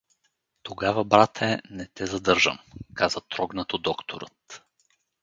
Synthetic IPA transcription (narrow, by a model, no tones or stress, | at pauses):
t̪oɡavɐbɾat̪ʰɛnɛt̪ɛzɐd̪ɤɾʒə̰mkazət̪ɾɔɡnət̪od̪ɔkt̪ʰo̰ɾə̰t̪